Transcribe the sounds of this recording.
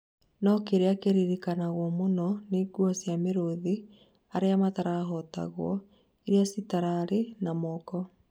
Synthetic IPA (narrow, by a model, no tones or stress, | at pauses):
nɔkeɾeakeɾiɾikanaɣwɔmonɔneɡwasjameɾoði | aɾeamataɾaɦɔta̰ɣwɔ̰ | iɾeasitaɾaɾenamɔːkɔ